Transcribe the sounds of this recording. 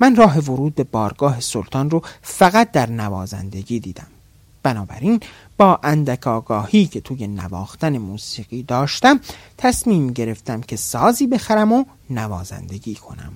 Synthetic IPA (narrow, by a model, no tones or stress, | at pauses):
mænrɒːɦe̞voɾuːd̪̚be̞bɒːɾɡɒːɦe̞solt̪ʰɒːnrofæɣæt̪̚d̪æɾnævɒːzæ̰nd̪e̞ɟiːd̪iːd̪æm | b̥ænɒːbæ̰ɾin | b̥ɒːʔænd̪ækʰɒːɡɒːhiːcʰe̞t̪ʰuːje̞næ̰vɒ̰ːxt̪æne̞muːsiːɣiːd̪ɒːʃt̪æmt̪ʰæsmiːmɟe̞ɾe̞ft̪æmcʰe̞sɒːziːbe̞xæɾæmo | nævɒːzæ̰nd̪e̞ɟiːkʰo̞̰næ̰m